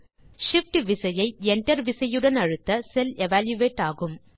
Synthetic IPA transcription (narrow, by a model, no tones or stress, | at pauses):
ʂɪfʈʋɪsɐjɐɪɛɳʈɐɾʋɪsɐjɯɽɐnɐɻɯt̪ːɐsɛlɛʋaːljɯʋeːʈːaːɣɯm